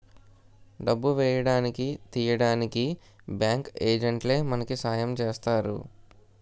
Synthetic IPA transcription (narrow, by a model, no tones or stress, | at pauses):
ɖɐbːuʋɛːjɐɽaːnikit̪iːjɐɽaːniki | bjaːŋkeːd͡ʒɐɳʈle̞ːmɐnɐkisaːjɐmt͡ʃeːst̪aːɾṵ